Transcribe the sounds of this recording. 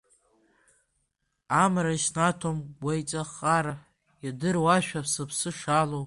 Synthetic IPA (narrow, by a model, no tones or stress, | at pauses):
amɾaʃnatʰomɡʷajt͡sʼaχʼaɾa | jadɨrwaʃᶣapʰsɨpʰsɨʂalow